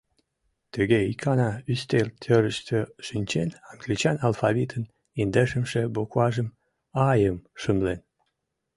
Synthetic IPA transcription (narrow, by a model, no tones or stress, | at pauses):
t̪əɣeikʰɑnɑyst̪elt̪ʰøɾəʃt̪ʰøʃinʲt͡ɕenɑŋɡlʲit͡ɕɑnɑlfɑβʲit̪ʰən | ind̪əʃəmʃĕbokwɑʒəm | ɑjəmʃəmlen